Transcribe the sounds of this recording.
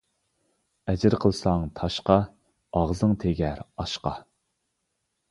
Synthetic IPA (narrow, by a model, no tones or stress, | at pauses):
ɛd͡ʒɪɾqʰəlˠsɑŋt̪ʰɑʃqɑ | ɑʁzɨŋt̪ʰeɡʲɛɾɑʃqɑ